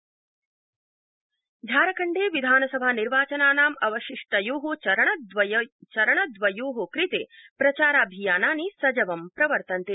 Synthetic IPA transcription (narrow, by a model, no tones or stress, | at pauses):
d͡ʒʱaːɾɐkɐɳɖeːʋid̪ʱaːnɐsɐbʱaːniɾʋaːt͡ʃɐnaːnaːmɐʋɐʃiʂʈɐjuːɦut͡ʃɐɾɐɳɐd̪ʋɐt͡ʃɐɾɐɳɐd̪ʋɐjuːɦukɾit̪eːpɾɐt͡ʃaːɾaːbʱijaːnaːnisɐd͡ʒɐʋɐmpɾɐʋɐɾt̪ɐnt̪e